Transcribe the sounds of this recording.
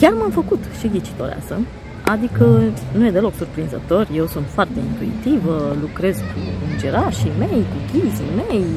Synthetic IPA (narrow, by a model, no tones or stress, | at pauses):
kʲarmamfəkut̪ʃiɡit͡ʃi̥t̪o̞̰ɾea̰sə̰ | a̰d̪ikənuje̞d̪e̞lo̞ksurpɾinzət̪o̞rʲje̞wsunt̪foart̪e̞int̪uḭt̪ivəlukɾe̞zkuɨnd͡ʒeɾaʃijme̞jkuɡʲizimej